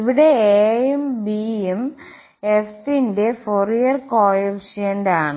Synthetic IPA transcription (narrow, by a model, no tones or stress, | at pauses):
iʋiɽe̞eːembiem | esinde̞forijɐrkoːjɐʋʂɐjɐndaːɳɨ